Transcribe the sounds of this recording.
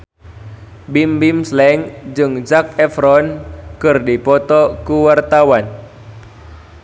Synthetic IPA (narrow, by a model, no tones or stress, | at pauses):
bimbimslɛŋd͡ʒɨŋd͡ʒak̚ɛfɾɔnkɨrdipɔt̪ɔkuwart̪awan